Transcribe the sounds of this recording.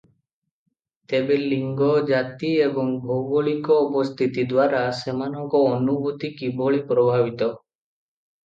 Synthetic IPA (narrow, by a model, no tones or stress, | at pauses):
t̪ebeliŋɡɔd͡ʒat̪iebɔŋbʱowɡɔɭikɔːpɔst̪ʰit̪id̪waɾasemanɔŋkɔːnubʱut̪ikibɔɭipɾɔbʱabit̪ɔ